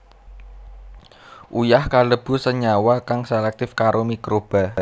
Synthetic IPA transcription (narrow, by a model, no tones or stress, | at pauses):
ʔujahkaləb̥ṳsəɲawakaŋselɛk̚t̪ɪfkaɾʔomikɾob̥a̤